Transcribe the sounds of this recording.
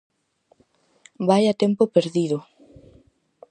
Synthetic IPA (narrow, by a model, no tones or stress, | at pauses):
bajat̪ɛmpʊpeɾðiðʊ